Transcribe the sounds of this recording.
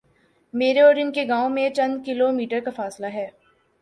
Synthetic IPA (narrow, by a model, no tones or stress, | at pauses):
meːɾeɔːɾɪnkeɡaːõmẽt͡ʃɐ̃nd̪kɪlomiːʈəɾkafaːslaɦɛː